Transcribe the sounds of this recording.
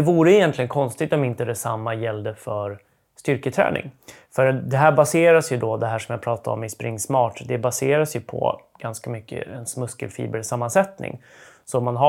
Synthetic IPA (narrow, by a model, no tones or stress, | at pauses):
ɛvuːɾəɪjɛnt̪lɪɡənkʰɔnst̪ɪɡ̚t̪ɔmɪnt̪əd̪ɛsamːajɛld̪əfœɾ | st̪ʏɾkət̪ʰɾɛ̰ːnɪ̰ŋ | fœɾad̪ɛɦæːbaseːɾasjɵd̪ɔd̪ɛɦæːʂɔmjɑːpʰɾɑːt̪ʰaɔ̰mɪspɾɪŋːsmɑːʈd̪ɛbaseːɾasjɵpʰɔ̰ɡ̥anskamʏkːə̰ɛnsmɵskə̰lfḭːbəɾsamːansɛt̪nɪ̰ŋ | sɔmanɦa